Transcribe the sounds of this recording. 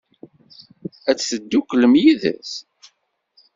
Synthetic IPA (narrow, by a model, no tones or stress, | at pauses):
æt͡sːθəd̪ːukləmjiðæ̰s